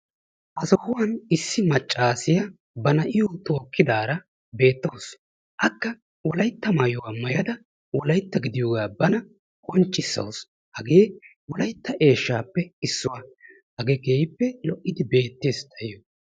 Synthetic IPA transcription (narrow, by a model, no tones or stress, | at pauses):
ʔɐsɔhʊwɐnɪsːɪmɐt͡ʃʼːaːsɪjɐ | bɐnɐʔɪjut̪oːkːɪd̪aːɾɐ | be̞ːt̪ːows | ʔɐkːɐ | wɔlɐjt̪ːɐmɐjʊwamɐjɐd̪ɐ | wɔlɐjt̪ːɐɡɪd̪ɪjoːɡaːbɐnɐ | kʼɔnt͡ʃʼːɪsːɐ̰ws | hɐɡeː | wɔlɐjt̪ːɐʔe̞ːʃːaːpːɛɪsːʊwɐ | hɐɡeːɡeːjɪpːɛlɔʔːɪd̪ɪbe̞ːt̪ːeːst̪ʰɐjɪjɔ